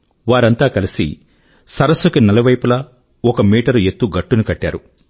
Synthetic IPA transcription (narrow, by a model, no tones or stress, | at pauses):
ʋaːɾɐnt̪aːkɐlisḭ | sɐɾɐsːukinɐlɐʋɐjpulɐ | ɔkɐmiːʈɐɾue̞t̪ːuɡɐʈːunukɐʈːaːɾu